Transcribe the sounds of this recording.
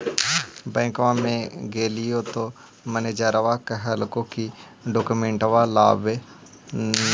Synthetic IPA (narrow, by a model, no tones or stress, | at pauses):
bɛ̃ːŋkʋãmẽɡeːlijot̪o | məned͡ʒaɾɐʋakəɦəlkoki | ɖoːkumẽɳʈʋala̰ːbe